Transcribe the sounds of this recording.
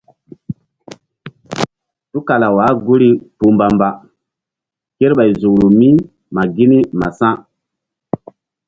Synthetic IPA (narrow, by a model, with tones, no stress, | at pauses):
tu˦ka˨la˨wa˨˦ɡu˦ɾi˨pu˨mba˨mba˨ | ke˦ɾɓa˨jzu˨kɾu˨mi˦ | ma˨ɡi˦ni˦ma̰˨sã˦